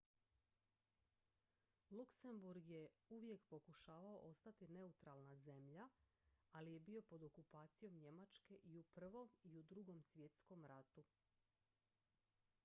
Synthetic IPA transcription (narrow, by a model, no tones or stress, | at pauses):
lˠukse̞mbuɾɡje̞uʋje̞kpo̞kuʃaːʋao̞̰ʔo̞st̪at̪ine̞ut̪ɾalˠnaze̞mʎa | alije̞bio̞po̞d̪o̞kupaːt̪sijo̞mɲe̞mat͡ʃke̞ʔiupr̩ʋo̞miud̪ɾuɡo̞msʋje̞t̪sko̞mɾat̪u